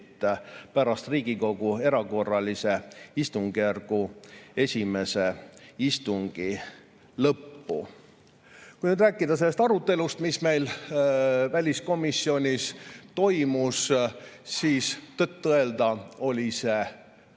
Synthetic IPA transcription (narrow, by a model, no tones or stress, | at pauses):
t̪ːˑpæɾɑst̪riːɡ̥iko̞ɡ̥ue̞ɾɑko̞rːɑlise̞ist̪uŋɡ̥iærɡ̥ue̞sʲime̞se̞ist̪uŋɡ̥i | lɤpːṵ | kujnyːd̪ɾæːkːˑid̪ɑse̞lːest̪ɑɾut̪ːˑe̞lust̪misme̞jl | vælʲisko̞misːio̞nʲist̪o̞jmus | siːst̪et̪ːɤeld̪̥ɑo̞lʲise̞